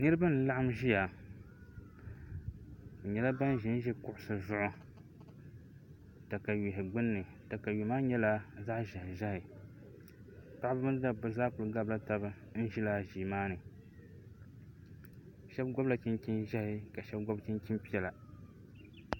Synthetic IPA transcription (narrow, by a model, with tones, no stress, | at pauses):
nɨ˦ɾɨ˦ba˦n̩˨˦la˦ʔa˦mʒi˦ja˨ | o˨ɲɛ˨la˦ba˦n˦ʒɪ˨˦n˦ʒɛ˦kʊ˦ʔʊ˦sɨ˨zʊ˦ʔʊ˦ | ta˨ka˨ji˨ɦɪ˨ɡ͡bɨ˦nːɨ˨ | ta˨ka˨ju˨maː˦ɲɛ˦la˦za˦ʔʒa˨hɪ˨ʒa˦hɪ˨ | pa˦ʔbɨ˦bɨ˦n˦da˨bʊ˨˦za˦kʊ˨lɡa˦bla˦ta˨bɨ˦ | n̩˦ʒi˦la˦ʒiː˨maː˦nɨ˨ | ʃɛ˦bɡɔ˦bla˨t͡ʃi˦nki˦nʒa˦hɪ˨ka˨ʃɛ˦b̚ɡo˦bt͡ʃi˦nki˦mpi˦ɛ˨la˨